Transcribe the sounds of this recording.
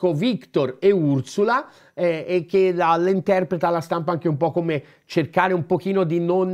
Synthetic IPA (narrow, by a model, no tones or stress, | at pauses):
kovikt̪oreursula | ɛek̟ːealint̪ɛrpɾet̪alːast̪ampaaŋk̟eumpɔkːome | t͡ʃerkaːɾeumpok̟iːnod̪inon